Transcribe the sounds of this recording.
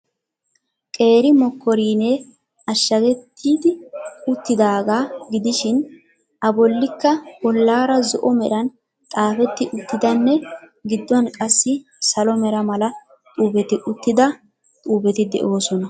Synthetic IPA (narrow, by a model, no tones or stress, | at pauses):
kʼe̞ːɾɪmɔkːɔɾiːneː | ɐʃːɐɡɛt̪ʰːiːd̪ɪʊt̪ːɪd̪aːɡaːɡɪd̪ɪʃɪn | ʔɐbɔlːɪkːɐbɔlːaːɾɐzɔʔɔmɛɾɐn | t̪ʼaːfɛt̪ːɪʔʊt̪ːɪd̪ɐnːɛɡɪd̪ːɔnkʼɐsːɪ | sɐlɔmɛɾɐmɐlɐ | t̪ʼuːbɛt̪ɪʔʊt̪ːɪd̪ɐ | t̪ʼuːbɛt̪ɪd̪ɛ̰ʔo̞ːsɔnɐ